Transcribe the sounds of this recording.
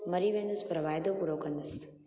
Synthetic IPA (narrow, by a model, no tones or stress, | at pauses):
məɾiʋẽnd̪uspɾəʋaːjd̪opuɾokənd̪əs